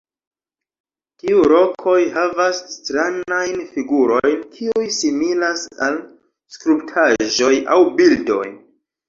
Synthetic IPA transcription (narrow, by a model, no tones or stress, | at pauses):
tiuɾo̞kʰo̞jhavasːtɾanajnfiɡuɾo̞jnkʰiujsimilasa̰l | skɾuptʰaʒo̞ja̰wbildo̞̰j